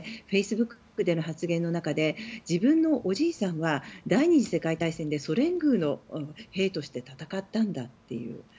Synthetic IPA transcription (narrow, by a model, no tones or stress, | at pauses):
ɸe̞isɨbɯ̟kːɯ̟̥kːɯ̟d̪e̞no̞ɦat͡sɨɡẽ̞nːo̞nakad̪e̞d͡ʑibɯ̟̃nːo̞ʔoʑiːsãɰ̃βad̪aiɲ̟iʑise̞kait̪aisẽ̞nd̪e̞so̞ɾẽ̞ŋɡɯ̟ːno̞he̞ːt̪o̞ɕi̥t̪e̞t̪at̪akat̪ːãnd̪at̪ːe̞̰jɯ̟̰ː